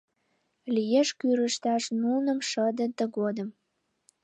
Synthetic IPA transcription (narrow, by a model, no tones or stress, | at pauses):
lijeʃkyɾəʃt̪ɑʃnunə̆mʃəd̪ə̆t̪ə̆ɡod̪əm